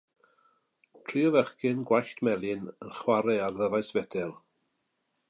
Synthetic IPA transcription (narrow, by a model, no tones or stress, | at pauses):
tʰriːɔvɛχkɪnɡwajɬtʰmɛlˠɪnənχwaɾɛarðəvajsvɛdɛlˠ